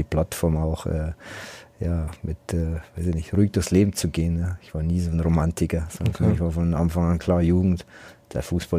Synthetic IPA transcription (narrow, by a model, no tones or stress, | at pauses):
iːpl̥atfɔɐmaʊxʔɛːjaːmɪtʔɛːv̥aɪsɪçnɪçtʁuːɪk̚d̥ʊɐçsleːbm̩t͡suɡeːənjaɪçv̥aːɐniːzoːnʁomantʰɪkɐz̥ɔndɐnfaɪçv̥aːfɔnnʔanfaŋankʰl̥aːjuːɡŋ̩td̥ḛɐfuːsb̥a